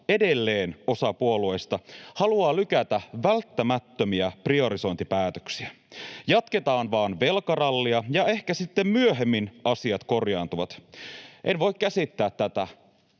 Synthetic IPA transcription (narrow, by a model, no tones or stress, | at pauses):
e̞delːe̞ːno̞sɑpuoluejst̪ɑhɑluɑːlykæt̪æʋælt̪ːæmæt̪ːømiæprio̞ɾiso̞int̪ipæːt̪ø̥ksiæ | jɑt̪ke̞t̪ɑːnʋɑːnʋe̞lkɑrɑlːiɑjɑe̞hkæsit̪ːemmyøɦe̞mːinɑsiɑt̪ko̞rjɑːnt̪uʋɑt̪ʔenʋo̞ikkæsit̪ːæːt̪ːæt̪æ